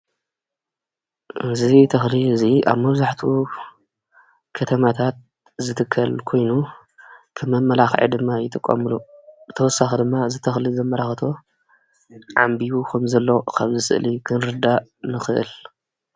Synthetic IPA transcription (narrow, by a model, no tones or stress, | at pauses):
ʔɨzit̪ʰɐxliɨzia̰βmɐβzaħt̪ʰu | kʰɐt̪ʰɐmat̪ʰat̪̚ | zɨt̪ʰɨkʰːɐlkʰo̞jnu | kʰɨmɐmːɐlaxʕḛd̪ɨmːajɪt̪ʼɨkʼːɐ̰mɨluzɨt̪ʰɐwɔsːaxid̪ɨmːaɨzit̪ʰɐxlizɐmːɐlaxt̪ʰo̞ | ʕambiwukʰɐmzɐlːokʰaβzɨsɨ̰ʔlikʰɨnɾɨd̪anɨxɨʔɨ̰l